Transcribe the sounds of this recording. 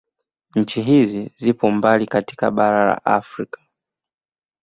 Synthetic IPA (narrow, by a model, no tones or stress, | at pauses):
ɲ̩t͡ʃiɦizizipɔmbalikati̥ka̰ɓaɾala̰ʔa̰fɾikḁ